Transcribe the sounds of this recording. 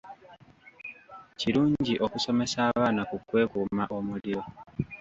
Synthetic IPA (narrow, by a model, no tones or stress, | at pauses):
ciɾuːɲɟiʔo̞kuso̞me̞saːβaːnakukwe̞ːkuːmaʔo̞muɾiɾo̞